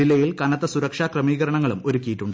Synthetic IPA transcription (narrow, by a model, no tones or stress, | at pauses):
ilːɐjilkɐnɐt̪ːɐsuɾɐkʂaːkrɐmiːɣɐɾɐɳɐŋːɐɭumo̞ɾukʲːijiʈːuɳɖɨ